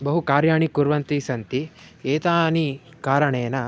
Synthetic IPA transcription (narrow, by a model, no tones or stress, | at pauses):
bɐɦukaːɾjaːɳikuɾʋɐnt̪isɐnt̪ieːt̪aːni | kaːɾɐɳeːnɐ